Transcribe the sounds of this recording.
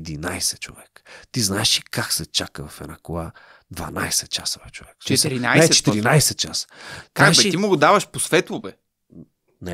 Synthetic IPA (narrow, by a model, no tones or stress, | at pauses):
d̪inajsɛt͡ʃo̰vɛkə̥t̪iznaɛʃikaksɛt͡ʃakəvɐfɛ̰nakolˠa | d̪va̰na̰jsɛt̪̚t͡ʃasovɛt͡ʃovɛkt͡ʃɛɾinajt͡ʃɛt̪iɾinajsɛt̪̚t͡ʃast̪akbɐt̪imoɡod̪avɐʃposvɛt̪lˠʊvɛ | nɛ